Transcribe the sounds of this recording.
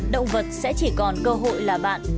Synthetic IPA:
ɗə̰˧˨wŋ͡mvə˨˩t̚sɛ̰˧˥t͡ɕi˧˩kɔ˨˩nkəː˧ɦo̰˧˨jlaː˨˩ɓa̰ː˧˨n

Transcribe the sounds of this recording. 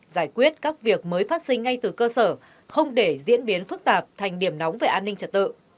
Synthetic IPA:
zaː˧˩jkwi˦˥ət̚kaː˦˥k̚vi˨˩ək̚məː˨˦jfaː˦˥t̚sï˧ŋ̟ːa˧jt̪ɨ˨˩kəː˧səː˧˩ | xə˧wŋ͡mɗe˧˩zḭ˧˥ənɓi˨˦nfɨ˦˥k̚t̪aː˨˩p̚t̪ʰa˨˩jŋ̟ɗi˧˩əmna˨˦wŋ͡mve˨˩ʔaː˧nːï˧ŋ̟t͡ɕə˨˩t̚t̪ɨ̰˧˨

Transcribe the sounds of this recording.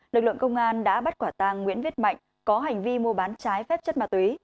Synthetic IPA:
lɨ˨˩k̚lɨ̰˧˨əŋkə˧wŋ͡mʔaː˧nɗa̰ː˧˥ɓa˦˥t̚kwaː˧˩t̪aː˧ŋːwḭ˧˥ənvi˦˥ət̚ma̰˧˨jŋ̟ | kɔ˨˦ɦa˨˩jŋ̟vi˧mu˧ɓaː˨˦nt͡ɕaː˨˦jfɛ˦˥p̚t͡ɕə˦˥t̚maː˨˩t̪wi˨˦j

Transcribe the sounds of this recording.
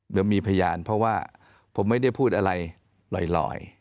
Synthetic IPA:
dɯ˦miː˧pʰa˧jaː˧npʰɾɔ˦˥waː˥˩ | pʰo˩˦mːa˥˩jda˥˩jpʰuː˥˩t̪̚ʔa˧ɾa˧j | lɔ̰ː˨˩jlɔ̰ː˨˩j

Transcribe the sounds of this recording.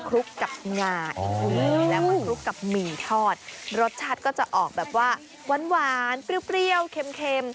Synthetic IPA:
kʰɾu˦˥kːa˨˩p̚ŋaː˧jlɛː˦˥wma˧˦kʰɾu˦˥kːa˨˩p̚miː˨˩t̪ʰɔː˥˩t̪̚ɾo˦˥t̪̚t͡ɕʰa˦˥t̪̚kɔː˥˩t͡ɕa˨˩ʔɔː˨˩k̚bɛː˨˩p̚waː˥˩ | wa˧nwaː˨˩˦npɾi˧əwpɾi˧əwkʰe˧mkʰe˧m

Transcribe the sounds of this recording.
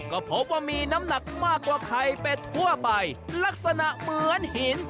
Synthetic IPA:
kɔː˧˩pʰo˦˥p̚waː˧˩miː˧na˦˥mna˨˩k̚maː˥˩kːwaː˨˧˩kʰa˧jpe˧t̪ʰu˥˩ɐpa˧jla˦˥k̚sa˧na˨ʔmɯ˨˦ənhi˨˩˦n

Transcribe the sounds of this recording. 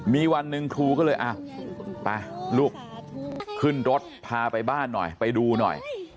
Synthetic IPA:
miː˧wa˧nːɯ˧ŋkʰɾuː˧kɔː˥˩lɤː˧jʔa˧˩wpa˧luː˥˩k̚ | kʰːɯ˥˩nɾo˦˥t̪̚pʰaː˧pa˧jbaː˥˩nːɔ̰˨˩jpa˧jduː˧nɔ̰˨˩j

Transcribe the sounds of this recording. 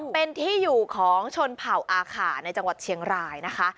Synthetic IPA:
pe˧nt̪ʰiː˥˩juː˨˩kʰɔː˩˦ŋt͡ɕʰo˧npʰa˨˩wʔaː˧kʰaː˩˦na˧jt͡ɕa˧ŋwa˨˩t̪̚t͡ɕʰi˧əŋɾaː˧jna˦˥kʰa˦˥ʔ

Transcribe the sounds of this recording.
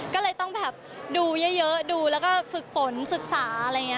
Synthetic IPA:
kɔː˥˩lɤː˧jt̪ɔ˥˩ŋbɛː˨˩p̚ | duː˧jɤ˦˥˩jɤ˦˥ʔduː˧lɛː˦˥wkɔː˥˩fɯ˨˩k̚fo˩˦nsɯ˨˩k̚saː˩˦ʔa˧ɾa˧jŋi˦˥˧

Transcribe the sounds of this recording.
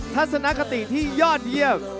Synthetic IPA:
t̪ʰa˦˥t̪̚sa˧na˦˥ka˧t̪i˨˩t̪ʰiː˥˩jɔː˥˩t̪̚ji˥˩əw̚

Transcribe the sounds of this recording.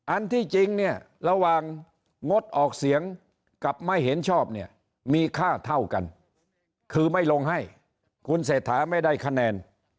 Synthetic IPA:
ʔa˧nt̪ʰiː˥˩t͡ɕi˧ŋni˥˩ɐə | ɾa˧waː˨ŋː | o˦˥t̪̚ʔɔː˨˩k̚si˨˩˦əŋ | ka˨˩p̚ma˥˩jɦe˩˦nt͡ɕʰɔː˥˩p̚ni˥˩ɐ | miː˧kʰaː˥˩t̪ʰa˥˩wka˧n | kʰɯː˧ma˥˩jlo˧ŋɦa˥˩j | kʰu˧ns̬eː˨˩t̪ʰːaː˩˦ma˥˩jda˥˩jkʰa˧nɛː˧n

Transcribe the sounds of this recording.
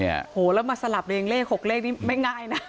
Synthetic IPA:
ḭ˦˥˩hoː˩˦lɛː˦˥wma˧nsa˧la˨˩p̚leː˧ŋleː˥˩k̚ho˨˩k̚leː˥˩k̚niː˦˥˩ma˥˩jŋaː˥˩jna˦˥

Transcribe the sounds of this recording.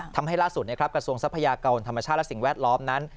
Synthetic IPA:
t̪ʰa˧mɦa˥˩jlaː˥˩su˨˩ni˥˩kɾa˦˥pkɾa˧su˧əŋsa˦˥pʰːa˧jaː˧ka˧nt̪ʰa˧mːa˧t͡ɕʰaː˥˩t̪lsi˨˩ŋwɛː˥˩t̪̚lɔː˦˥mna˦˥n

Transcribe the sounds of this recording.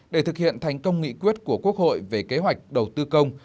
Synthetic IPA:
ɗe˧˩t̪ʰɨ˨˩k̚hḭ˧˨ənt̪ʰa˨˩jŋ̟kə˧wŋ͡mŋḭ˧˨kwi˦˥ət̚ku˧˩əku˦˥ək̚ho̰˧˨jve˨˩ke˨˦ɦwa˨˩jk̟̚ɗə˨˩wt̪ɨ˧kə˧wŋ͡m

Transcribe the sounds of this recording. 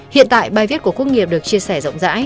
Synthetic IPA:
hḭ˧˨ənt̪a̰ː˧˨jɓaː˨˩jvi˦˥t̚ku˧˩əku˧˥ŋi˨˩əp̚ɗɨ˨˩ək̚t͡ɕi˧əsɛ˧˩zə̰˧˨wŋ͡mza̰ː˧˥j

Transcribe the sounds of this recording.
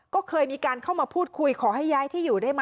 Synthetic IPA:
kɔː˥˩kʰɤː˧jmiː˧kaː˧nkʰa˥˩wmaː˧pʰuː˥˩t̪̚kʰu˧jkʰɔː˩˦ɦa˥˩jːaː˦˥jt̪ʰiː˥˩juː˨˩da˥˩jma˦˥

